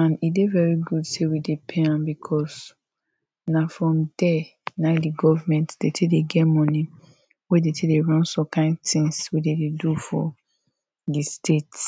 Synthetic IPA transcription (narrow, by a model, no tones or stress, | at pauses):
ãnidevɛɹiɡudsewidepʰeãmbikʰɔs | nafɹɔ̃mdɛnadiɡɔvamɛ̃ntd̥etʰedeɡɛmɔ̃ni | wedetʰedeɹɔ̃nsɔ̃kʰãɪ̃ndtĩŋswedededufɔ̰ | distʰet